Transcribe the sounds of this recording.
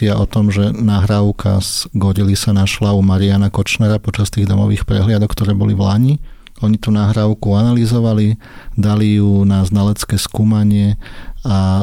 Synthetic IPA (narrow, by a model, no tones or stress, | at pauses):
ɪaʔɔt̪ɔmʒɛnaːɦɾaʊkʰa̰zɡɔɾilisanaʃlaumaɾianakɔt͡ʃnɛɾapɔt͡ʃast̪iːɣd̪ɔmɔʋiːxpɾɛ̰ɦlɪad̪ɔkt̪ɔɾɛːbɔliʋlaɲi | ɔɲit̪unaːɦɾaʊkuanalizɔʋali | d̪alijunaznalɛt͡skɛːskuːmaɲɪɛa